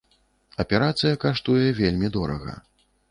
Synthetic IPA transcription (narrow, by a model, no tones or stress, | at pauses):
ɐpʲɛɾat̪sɨjɐkaʂt̪ujɛvʲelʲmʲid̪ɔɾɐ̰ɣɐ̰